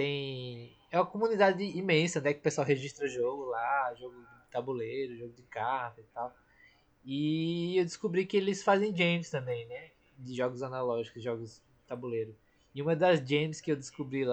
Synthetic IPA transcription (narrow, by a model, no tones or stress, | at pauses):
t̪ẽj̃ | ɛũmɐkõmũnid̪ad͡ʒɪimẽsɐnɛkɪʊpesuawɦeʒiʃt̪ɾɐuʒoɡʊlaʒoɡʊ | ɪt̪abuleɾʊʒoɡʊd͡ʒɪkaht̪ɐit̪aw | ɪewd̪ɪskubɾikɪelɪsfazẽj̃d͡ʒẽmst̪ɐ̃mbẽj̃nɛ | d͡ʒ̪ɪʒɔɡʊzɐnalɔʒikʊzɪʒɔɡʊzd͡ʒɪt̪abuleɾʊ | ɪũmɐd̪ɐzd͡ʒẽmskɪewd̪ɪskubɾil